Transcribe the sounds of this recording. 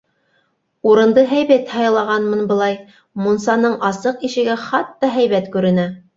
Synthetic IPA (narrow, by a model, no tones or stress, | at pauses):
uɾɤ̆nd̪ɤɦæjbæt̪hɑjɤ̆lˠɑʁɑnmɤnbɤ̆lˠɑj | munsɑnɤɴʔɑsɤqiʃɘ̆ɡæχɑt̪ːɑɦæjβæt̪kʉɾɘ̆næ